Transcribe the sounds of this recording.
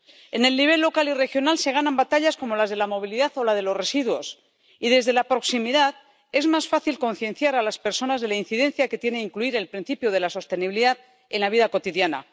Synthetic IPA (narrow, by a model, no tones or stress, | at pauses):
e̞ne̞lniβ̞e̞lːo̞kalire̞xjo̞nalse̞ɣ̞anambat̪aʎasko̞mo̞lazð̞e̞lamo̞β̞iliðaðo̞lað̞e̞lo̞sre̞siðwo̞s | iðe̞zðe̞lapɾo̞ksimiðað | e̞zmasfaθilko̞nθje̞nθjaɾalaspe̞ɾso̞nazðe̞lain̟θiðe̞n̟θjake̞t̪je̞neiŋkluiɾe̞lpɾin̟θipjoð̞e̞laso̞st̪e̞niβiliðað | e̞nlaβiðako̞t̪iðjana̰